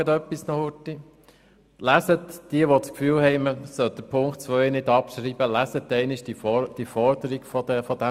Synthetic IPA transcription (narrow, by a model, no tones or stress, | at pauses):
ət̪œpːisnɔhʊti | læsətd̥iəʋot͡skfyːlhɛɪməsœld̥̪əpʰʊŋkt̚t͡sʋœʏnɪd̪ɑpʃɾiːbəlæsət̪ːɛɪnɪʃd̥id̥ifɔɾd̪əɾiɡfɔdɛfɔd̥̪æ